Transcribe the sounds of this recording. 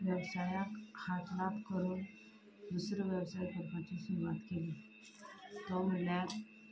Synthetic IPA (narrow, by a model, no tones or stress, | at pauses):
ʋjəʋsajakʰat̪lat̪kəɾuːn | d̪usɾəʋjəwsajk̪əɾpat͡ɕisuɾuʋat̪keli | t̪ɔməljat